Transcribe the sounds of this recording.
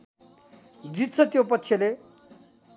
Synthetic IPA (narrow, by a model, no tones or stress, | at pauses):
d͡zit̪t͡sʰət̪jopət̪ːɕʰele